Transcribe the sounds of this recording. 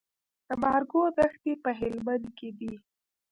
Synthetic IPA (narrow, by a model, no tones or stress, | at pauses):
d̪̥əmɑɾɡod̪axt̪epəɦɪlmand̪ked̪i